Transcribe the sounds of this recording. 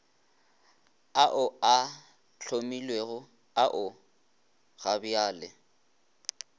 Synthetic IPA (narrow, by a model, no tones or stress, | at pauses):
aʔʊa | t͡ɬʰomilweɣʊ | aʔʊ | ɣabiaːlɪ